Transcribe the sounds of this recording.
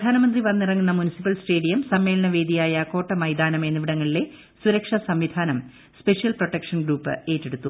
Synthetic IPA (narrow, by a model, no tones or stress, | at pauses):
pd̪ʱaːnɐmɐnd̪riʋɐnːirɐŋːunːɐmunisipːɐlsʈe̞ːɽijɐmsɐmːe̞ːlɐnɐʋe̞ːd̪ijaːjɐko̞ːʈːɐmɐjd̪aːnɐmenːuʋiɽɐŋːɐɭile̞ | suɾɐkʂɐsɐmʋid̪ʱaːnɐm | spe̞ʂijɐlpro̞ʈːɐkʂɐnɡɾuːpːɨ̰e̞ːtːeɽut̪ːu